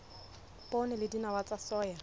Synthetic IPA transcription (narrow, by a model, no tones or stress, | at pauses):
pʼɔnɛlɪdinawat͡sʼasɔːja